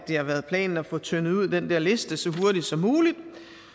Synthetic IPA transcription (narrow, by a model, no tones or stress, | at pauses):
d̥ihɑ̈ʋæːɐð̞̩ˠpʰlɛ̰ːnn̩æfɔ̽t͡sʰønð̩ˠuð̰ˠd̥end̥ɛɐle̝sd̥əsɒ̽ɦu̝ɐɾ̥id̥sɒ̽mːuːlid̥